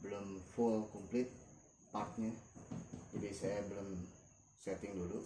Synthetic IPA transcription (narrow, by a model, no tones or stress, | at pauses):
bəlʊmfulkumplɪt̪̚ | part̪̚ɲɛ | d͡ʒadisajabəlʊm | sɛt̪ɪŋdulu